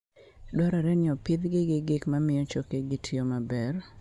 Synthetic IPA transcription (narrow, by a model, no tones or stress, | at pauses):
dɔɾaɾɛnɪɔpɪd̪ɡɪɡɪɡɪkmamɪjɔt͡ʃokeɡɪtʰɪomabɛr